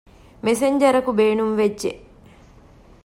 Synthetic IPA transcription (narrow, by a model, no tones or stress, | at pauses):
meseɲd͡ʒɐɾɐkubeːnumʋed͡ʒʒḛʔ